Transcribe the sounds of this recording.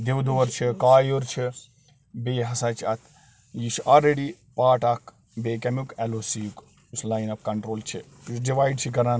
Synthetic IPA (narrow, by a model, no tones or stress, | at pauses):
d̪ewd̪oːɐɾt͡ʃʰikaːjoɾt͡ʃʰi | beːɦɐsɐt͡ʃʰɐt̪ʰ | jiʃalɾeɽi | paːʈɐkʰ | beːkɐmukɛlosijuk | uslaːjnɐp̚kɐɳʈɾoːlt͡ʃʰi | ɖiʋaːjɖt͡ʃʰikɐɾan